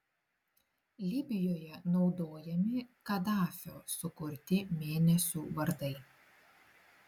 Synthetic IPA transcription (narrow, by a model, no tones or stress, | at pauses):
lʲɪbʲɪjoːjɛnɒʊd̪oːjɛmʲɪkɐd̪ɑːfʲo̰ːsʊkʊɾʲt̪ʲɪmʲeːnʲɛsʲuːʋɐɾd̪ɐɪ